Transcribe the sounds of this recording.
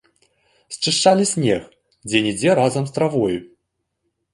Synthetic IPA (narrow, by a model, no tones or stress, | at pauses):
sʲt͡ʂɨʂt͡ʂːalʲisʲnʲɛx | d͡zʲɛnʲid͡zʲɛɾazɐmst̪ɾavɔju